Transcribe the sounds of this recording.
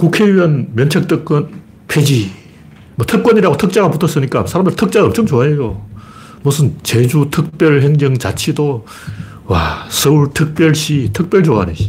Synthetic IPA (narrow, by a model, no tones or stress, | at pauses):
kukʰe̞yʌnmjʌnt͡ɕʰek̚tʰɯk̚k͈ʌn | pʰed͡ʑi | mʌtʰɯk̚wʌɲiɾaɡotʰɯk̚t͡ɕ͈aɣaputʰʌs͈ɯɲik͈asʰaɾamd̪ɯɾtʰɯk̚t͡ɕ͈aɡʌmt͡ɕʰʌmt͡ɕoaejo | musʰɯnt͡ɕe̞d͡ʑutʰɯk̚p͈jʌɭɦeŋd͡ʑʌŋt͡ɕat͡ɕʰido | wasʰʌuɭtʰɯk̚p͈jʌɭɕ͈itʰɯk̚p͈jʌɭd͡ʑoa̰nḛi